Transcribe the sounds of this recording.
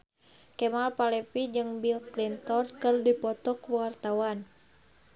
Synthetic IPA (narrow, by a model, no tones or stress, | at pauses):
kɛmalpalɛpid͡ʒɨŋbilklint̪ɔnkɨrdipɔt̪ɔkuwart̪awan